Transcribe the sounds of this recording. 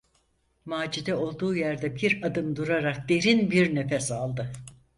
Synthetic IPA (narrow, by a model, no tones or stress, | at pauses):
maːd͡ʒid̪ɛo̞lˠd̪uːjæɾd̪ɛbiɾad̪ɯmd̪uɾaɾak̚d̪̥e̞ɾinbiɾnefɛsalˠd̪ɯ